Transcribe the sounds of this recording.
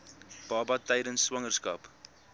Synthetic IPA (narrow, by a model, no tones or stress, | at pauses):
b̥ɑːbɐtɛjdənsːwɐŋərskɐ̰ːp